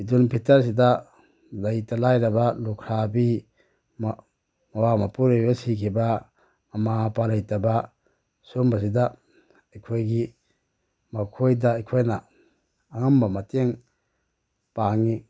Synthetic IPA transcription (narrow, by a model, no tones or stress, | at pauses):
idunpʰitɐɾs̬ida | lɐjtalajɾɐbalukʰɾabi | m | mɐwamapuɾebasikʰibaː | mapalajtaba | sombas̬ida | ɐjkʰojɡi | makʰojdaːjkʰojna | aŋambamateŋ | paŋi